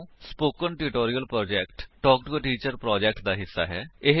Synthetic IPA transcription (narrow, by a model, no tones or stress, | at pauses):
spoːkənʈɪʈoːɾijəlpɾoːd͡ʒɛːkʈʈɔːkʈɡoʈiːt͡ʃəɾpɾɔːd͡ʒɛːk̚ʈd̪aːɦɪsːa̰ːɦɛːɪɦ